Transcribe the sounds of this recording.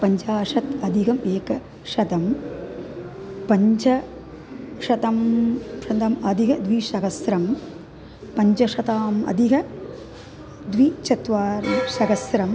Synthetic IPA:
pɐɲd͡ʒaːʃɐt̪ɐd̪ʱiɡɐmeːkɐ | ʃɐd̪ɐm | pɐɲt͡ʃɐ | ʃɐt̪ɐmʂɐnd̪ɐmɐd̪ʱiɦɐd̪ʋiʃɐɡɐsɾɐm | pɐɲt͡ʃɐʃɐt̪aːmɐ̰d̪ʱiɦɐ | d̪ʋit͡ʃɐt̪ʋaːɾɐʃɐɡɐsɾɐm

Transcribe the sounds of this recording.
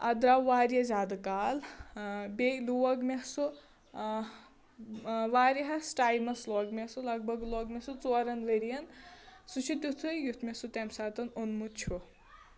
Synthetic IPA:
ɐ̰d̪ɾawʋaːɾjɐzaːd̪ɨkaːl | beluwɐɡmesu | ʋaːɾiɦɐsʈaːjlmɐsloːɡmesulɐɡ̚bʱɐɡloːɡmʲesut͡soːɾɐnʋeɾijɐnsut͡ʃʰit̪ʲut̪ʰujjut̪ʰmʲesut̪ɛmsaːt̪ɐnunmut͡ʃʰu

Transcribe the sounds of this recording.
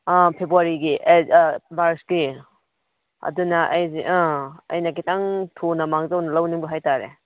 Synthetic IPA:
apʰebuaɾiɡiʔmaɾski | ɐ̰dunɐʔɐjziʔãɐ̰jnɐkitaŋtʰonɐmaŋzɐwnɐlɐwniŋbɐɦajtaɾḛ

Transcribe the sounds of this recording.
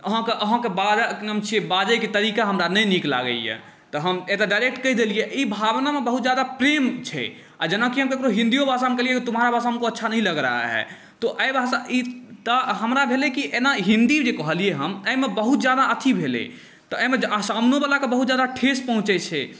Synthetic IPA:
əɦãkeʔəɦãkebad͡ʒaknəmt͡ʃʰiebad͡ʒəjket̪əɾikaɦəmɾanəjnikla̰ɡə̰ḭjḛ | t̪ɔɦəmet̪aɖaɪɾek̚ʈkəid̪elijeʔibʱabnamebəɦut̪̚d͡ʒjad̪apɾemt͡ʃʰɛ̰ | a̰d͡ʒənakiɦəmkekɾoɦĩnd̪ijobʱasamekəliekit̪umɦaɾabʱasaɦəmkoətːʃʰanəɦĩləɡɾa̰a̰ɦɛ̰ | t̪oʔəjbʱasait̪əɦəmɾabʱelekiʔenaɦĩnd̪id͡ʒekəɦəlieɦəməjmebəɦut̪d͡ʒjad̪aət̪ʰibʱelḛ | t̪ɔəmeasamnobalakebəɦut̪̚d͡ʒjad̪aʈʰes̚pəɦũt͡ʃɛt͡ʃʰɛ

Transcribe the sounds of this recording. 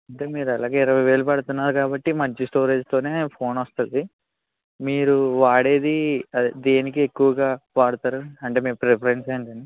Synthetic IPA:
ɐɳʈe̞ːmiːɾuɐlaːɡe̞ːiɾɐʋɐjʋe̞ːɭupɐɽut̪unːaːɾukaːbɐʈːimɐɲt͡ʃisʈo̞ːɾe̞ːd͡ʒt̪o̞ːne̞ːpʰo̞ːnɐst̪und̪i | miːɾuʋaːɽe̞ːd̪iɐd̪eːnik̬iekːuʋɐɡaːʋaːɽut̪aːɾuɐɳʈe̞ːmeːpɾepʰɐɾeɳseːɳʈɐɳɖi

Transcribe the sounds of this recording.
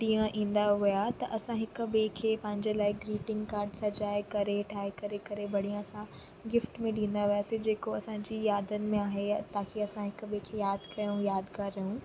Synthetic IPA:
ʈĩːə̃ʔĩːn̆d̪aɦʊjat̪ɐʔɐsãɦɪkʊ̆bekʰeːpɐ̃ɦɪ̃ɲd͡ʑelaːɪɡɾiːʈɪ̃ŋɡkaːɾɖsɐd͡ʑaːɪkɐɾeʈʰaːekɐɾekɐɾebɐɽ̤ijãɐsã | ɡɪfʈmẽɗĩːn̆d̪aʋijaːsĩd͡ʑeːkoɐsãːɲd͡ʑijaːd̪ənɪ̆mẽaːɦet̪aːkʰeɐsãɦɪkʊbekʰeːjaːd̪kɐjũjaːd̪kaɾɐjũ

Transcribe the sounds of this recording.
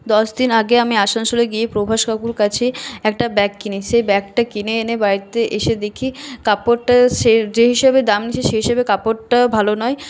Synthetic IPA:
d̪ɔʃd̪inaɡeamiaʃaŋʃoleɡiepɾobʱaʃkʰakuɾkat͡ɕʰeɛk̚ʈabɛkːineʃebɛkʈakineenebaɾit̪eʔeʃed̪ekʰikapoʈʈaʃed͡ʑeɦiʃebed̪amnit͡ɕʰeʃeɦiʃebekapoʈʈabʱalonɔe

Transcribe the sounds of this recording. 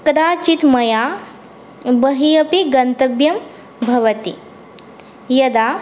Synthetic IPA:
kɐd̪aːt͡ʃit̪mɐjaː | bɐɦiɐpiɡɐnt̪ɐbjɐm | bʱɐʋɐt̪ḭ | jɐd̪aː

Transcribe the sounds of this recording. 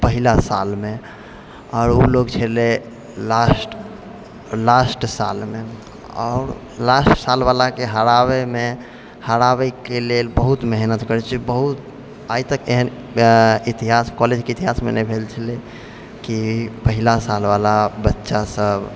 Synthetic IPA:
pəɦilasa̰lme | ɔːɾoloɡt͡ʃʰele | lasʈ | lasʈsa̰lme | ɔ̰ːɾ | lasʈsalbalakeɦəɾaβeme | həɾaβɛkelelbəɦut̪meɦnət̪kəɾɛt͡ʃʰibəɦut̪ | ait̪əkeɦən | it̪iɦaskɔled͡ʒkeit̪iɦasmḛnɛbʱelt͡ʃʰəle | kipəɦilasalbalabətːʃasəb

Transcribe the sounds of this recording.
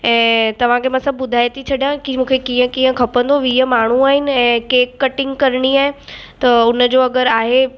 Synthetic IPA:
ɛ̃ːt̪ɐʋ̤ãkʰemãsɐbʱbʊd̪ʱaːjt̪ʰit͡ɕʰɐɗjãkimũːkʰekiːə̃kĩːə̃kʰɐpə̃nd̪oʋiɦəmaːɳ̤ũaːɦɪnɪ̆ɛ̃ːkeːkːɐʈɪ̃ŋɡkɐɾɽ̃iaːɦet̪ɐʊnəd͡ʑoːɐɡəɾaːɦe

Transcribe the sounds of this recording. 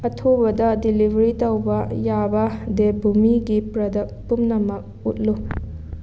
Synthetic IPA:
ɐtʰubɐdɐdilibʱɐɾitɐwbɐjabɐdebʱumiɡipɾɐdɐk̚pumnɐmɐk̚ | ut̚lu

